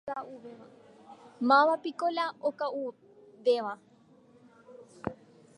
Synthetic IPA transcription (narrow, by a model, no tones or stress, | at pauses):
auɛa | mawapikɔlaɔkʼau | bɛwa